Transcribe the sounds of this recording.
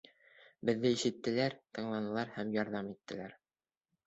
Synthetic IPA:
bɘ̆ðːɘiʃɘ̆t̪ːɘ̆læɾt̪ɤ̆ɴlˠɑnɤ̆lˠɑɾhæmjɑɾðɑmit̪ːɘ̆læɾ

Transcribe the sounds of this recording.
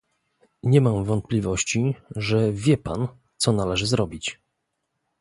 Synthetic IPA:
ɲɛmamvɔnt̪̚plʲivɔɕt͡ɕiʐɛvʲjɛpa̰n | t̪sɔnalɛʐɘzɾɔbʲit͡ɕ

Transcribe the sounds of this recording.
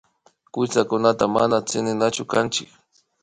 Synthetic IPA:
kʊt͡sakʊnat̪ama̰nat͡sɪnɪnat͡ʃʊkant͡ʃɪk

